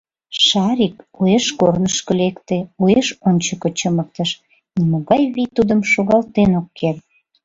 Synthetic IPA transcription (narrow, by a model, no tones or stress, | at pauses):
ʃɑɾik | ueʃkornəʃkəlekt̪eueʃonʲt͡ɕəkə̆t͡ɕəmək̚t̪əʃ | nimoɣɑjβit̪ud̪əmʃoɣɑlt̪enokːer